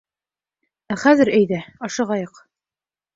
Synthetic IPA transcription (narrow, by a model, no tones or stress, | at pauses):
æχæzɘɾæjðæɑʃɤ̆ʁɑjɤq